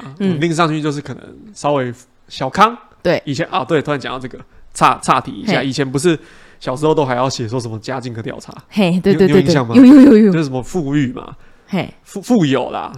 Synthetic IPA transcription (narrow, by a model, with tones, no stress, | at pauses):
ə˨li˥˧ŋs̬ɑ˥˧ŋt͡ɕʰy˥˧t͡ɕjo˥˧ʊʂ̬ɻ̩˥˩kʰɤ˨˩nə̰˧˦ŋsɑ˥ʊwe˧˥ɪ | ɕjɑ˨˩ʊkʰɑ˦ŋt̪we˥˩ɪi˨˩t͡ɕʰjɛ˧˦nʔɔ˨t̪o˥˩˨t̪ʰa˧˦nt͡ɕa̰˨t̪ɑ˥˧ʈ͡ʂɤ˥˩ɡə˩t͡sʰa̰˥˧t͡sʰa˥˩t̪ʰḭ˨˩ḭ˧˥ɕja˥˩˨i˨˩t͡ɕʰjɛ˧˦np̬u˧˦ʂ̬ɻ̩˥˩ | ɕjɑ˨˩ʂɻ̩˥˧t̪o˥ʊxa˧ɪjɑ˥˩ʊɕjɛ˨˩swɔ˥˩ʂə˨˩˦mə˧t͡ɕja˦t͡ɕi˥˧ŋkʰə˧˦t̪jɑ̰˥˩ʊa̰˧˦e˥˩t̪wẽ˥˧˥ɕjɑ˥˨˩ma˨˥˧jo˥˧jo˥˧jo˥˧ʂ̩˥˩ʂə˦mə˧fu˥˧y˥˩ma̰˩ | e˥˩ | fu˥˧fu˥˧jo˨˩ʊla̰˨